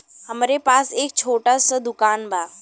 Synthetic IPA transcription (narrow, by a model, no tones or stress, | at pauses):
hɐmɾepaːseːk̚t͡ʃʰoːʈasəd̪ʊkaːnbʱaː